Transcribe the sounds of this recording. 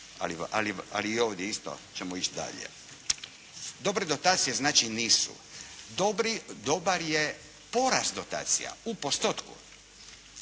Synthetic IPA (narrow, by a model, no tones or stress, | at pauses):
a̰lia̰lia̰liːoːʋd̪jeist̪o̰t͡ʃemoit͡ʃd̪a̰ʎḛ | d̪o̞bɾed̪o̞t̪aːt̪sijeznaːt͡ʃiniːsṵ | d̪obɾid̪o̞baɾje | po̞ɾast̪d̪o̞t̪a̰ːt̪sḭja̰upo̞st̪ot̪kṵ